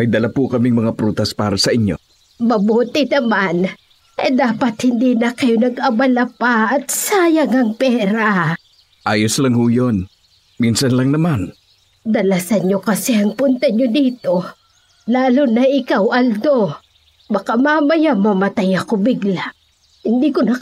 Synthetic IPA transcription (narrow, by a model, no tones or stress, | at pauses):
mɐjd̪ɐlapukɐmiŋmɐŋapɾuːt̪ɐspaːɾɐsɐʔɪɲjo̰ | mɐbuːt̪ɪnɐman | ɐd̪aːpɐt̪hɪnd̪inɐkɐjonɐɡɐbɐlapaɐt̪̚saːjɐŋɐŋpɛːɾa | ʔaːjoslɐŋhujon | minsɐnlɐŋnɐman | d̪ɐlasɐnɲo̞kɐsɛɐŋpʊnt̪ɐɲod̪iːt̪o̞ | laːlonɐɪkawʔɐld̪o̞ | bɐkamamɐjamɐmɐt̪ajɐkobɪɡla | hɪnd̪ikonɐ